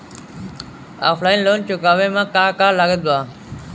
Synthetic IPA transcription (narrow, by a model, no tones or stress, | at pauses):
a̰ːfʰlaːinloːnt͡ʃʊkaːʋeːmãːkaːkaːɾlaːɡəd̪̚baː